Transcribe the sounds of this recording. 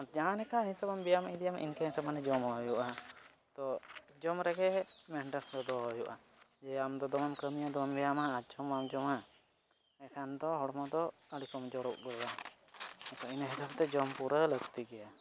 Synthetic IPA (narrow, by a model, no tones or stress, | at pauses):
d͡ʒaanɛkʰaɦĩnsəbambijamid̪ijamʔḭnkɛɦĩsəbanɛd͡ʒɔmɦɔjuʔa | t̪ɔ | d͡ʒɔmɾɛɡɛmɛɳʈəsd̪ɔd̪ɔɦɔjuʔa | d͡ʒɛamd̪ɔd̪ɔmamkɾəmijad̪ɔmambɛjamaːd͡ʒɔmamd͡ʒɔma | ɛkʰand̪ɔɦɔɽmɔd̪ɔəɽikɔmd͡ʒɔɾɔʔ̚ɡɔlwa | t̪ɔinəɦɛt̪abt̪ɛd͡ʒɔmpuɾələɡt̪iɡɛja